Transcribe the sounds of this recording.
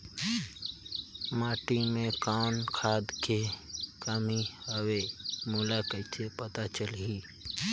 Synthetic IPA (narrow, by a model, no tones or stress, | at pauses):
maːʈimẽkaʊnkʰaːd̪kekamiəwemuːlakəɪtʰepət̪at͡ʃəlɦi